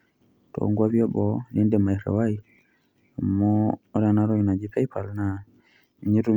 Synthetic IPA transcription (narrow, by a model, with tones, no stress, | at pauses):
tɔ̰ŋɡwa˦βiɔ˦bɔ˨li˦ndɛ˨ma˨i˨ɾa̰˨wa˦i | a˨mɔː˦ɾa˨na˦ɾɔ˦ina˨d͡ʒi˦pɛ˦pʰa˨lna | i˨ɲi˦ɾu˦